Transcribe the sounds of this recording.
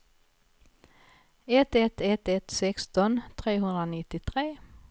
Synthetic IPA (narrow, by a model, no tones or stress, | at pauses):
ɛt̪ɛt̪ɛt̪ːɛt̪sɛkst̪ɔnt̪ʰɾeːɦɵnd̪ɾanɪt̪ːɪt̪ʰɾeː